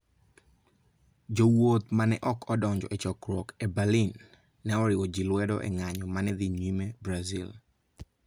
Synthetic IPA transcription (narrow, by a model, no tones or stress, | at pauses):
d͡ʒowot̪̚manɛʔɔkʰɔdɔɲd͡ʒɔ̰ɛt͡ʃɔkɾwɔkɛbalinː | ɛɔɾɪwɔd͡ʒilwɛdɔ̰ʔɛ̰ŋaɲɔmanɛd̪iɲwimebɾazḭl